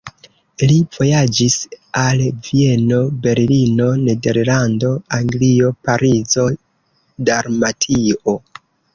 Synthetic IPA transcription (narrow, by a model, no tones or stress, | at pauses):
liv̥o̞jad͡ʒisalvie̞no̞be̞ɾlino̞ne̞de̞ɾlando̞aŋɡlio̞paɾizo̞ | daɾmatʰio